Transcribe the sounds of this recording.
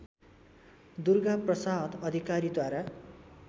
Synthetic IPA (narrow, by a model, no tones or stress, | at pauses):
d̪urɡaprʌsaɦʌd̪ʌd̪ʱikaɾid̪waɾa